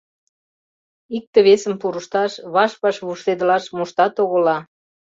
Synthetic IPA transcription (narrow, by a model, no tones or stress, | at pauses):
ik̚t̪ə̆βesəmpuɾəʃt̪ɑʃβɑʃpɑʃβuʃt̪ed̪əlɑʃmuʃt̪ɑt̪oɣolɑ